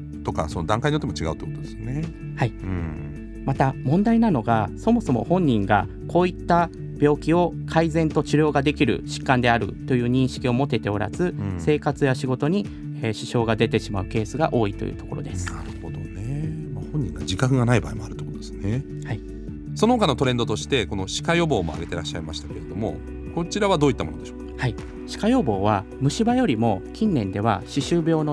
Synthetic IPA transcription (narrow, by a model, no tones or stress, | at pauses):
t̪o̞ka̰so̞nod̪ãŋkaiɲiot̪ːemot͡ɕiɡa̰ɯ̟t̪oikot̪od̪esne | haĩ | mat̪amõ̞nd̪ainano̞ɡaso̞mo̞so̞mo̞̰hõ̞ɲ̟ːĩŋɡa̰ | ko̞ːit̪ːa | b̥ʲo̞ːkʲio̞kʰaizẽ̞nt̪o̞t͡ɕiɾʲo̞ːɡad̪e̞kʲiɾɯ̟̰ɕi̥kːãnd̪e̞aɾɯ̟̰t̪o̞jɯ̟ːɲ̟ĩɰ̃ɕi̥kʲio̞mo̞t̪e̞t̪e̞o̞ɾa̰zɨse̞ːkat͡sɨjaɕiɡo̞t̪o̞ɲ̟i | eɕi̥ɕo̞ːɡad̪e̞t̪e̞ɕimaɯ̟ke̞ːsɨɡaʔo̞ːit̪o̰jɯ̟̰ːt̪o̞̥ko̞ɾo̞̰d̪e̞sɨ̥aɾɯhod̪onemahõ̞ɲ̟ːḭ̃ŋɡad͡ʑikakɯ̟ɡanaiba̰ːemoaɾɯ̟t̪okot̪od̪esne | hai | so̞no̞hokano̞t̪o̞ɾe̞nd̪o̞t̪o̞ɕi̥t̪e̞ko̞no̞ɕi̥kajo̞bo̞ːmo̞̰a̰ɡe̞t̪e̞ɾaɕːa̰imaɕi̥t̪ake̞ɾe̞d̪o̞mo̞̰ | ko̞t͡ɕiɾaβad̪oːit̪ːamo̞nod̪e̞ɕo̥ːkhai | ɕi̥kajo̞ːbo̞ːβa | mɯ̟ɕibajo̞ɾʲimo̞kʲĩnːẽ̞nd̪e̞β̞a̰ɕiɕɨːbʲo̞ːno